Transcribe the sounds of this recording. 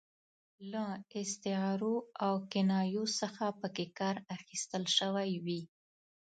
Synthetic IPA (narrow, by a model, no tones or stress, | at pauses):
laɪst̪ɪɑɾoawkɪnɑjosəxapəkekɑɾaxist̪əlʃəwajwi